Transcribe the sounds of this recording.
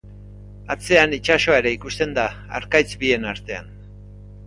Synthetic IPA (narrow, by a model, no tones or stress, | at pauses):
at͡se̞anit͡ʃaso̞aeɾeikust̪e̞nd̪a | a̰ɾkajt͡sbie̞naɾt̪e̞a̰n